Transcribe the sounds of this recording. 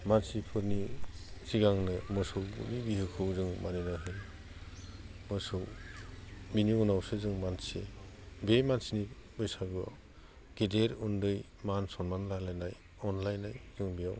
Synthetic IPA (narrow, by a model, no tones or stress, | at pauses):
mansipʰɯɾniziɡaŋnɯmɔsɯwnibiɦɯkʰɯwzɯŋmanenaɦɯj | mɔsɯw | miniunawsɯzɯŋmansḛ | bemansinibɯjsaɡɯ | ɡ̥edeɾundɯj | mansɔnmanlalajnaj | ɔnlajnajzɯŋbija̰w